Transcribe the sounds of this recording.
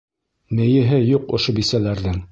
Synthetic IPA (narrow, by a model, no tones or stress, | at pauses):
mɘ̆jɘ̆ɦɘjuqŏʃobisælæɾðɘŋ